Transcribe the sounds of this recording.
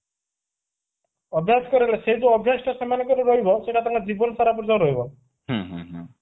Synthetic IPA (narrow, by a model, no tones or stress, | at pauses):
ɔbʱjaskɔɾelesed͡zuɔbʱjasʈɔsamanɔkɔɾuɾɔɦibɔseʈat̪ãŋkad͡ʒibɔnɔsaɾap̬ɔɾd͡zãw̃ɾɔɦibɔ | ɦũɦṵ̃ɦũ